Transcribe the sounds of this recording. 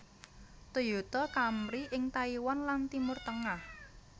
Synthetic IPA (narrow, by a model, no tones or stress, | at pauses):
t̪ujut̪ɔkamɾiʔɪŋt̪aiwɔnlant̪imʊrt̪əŋah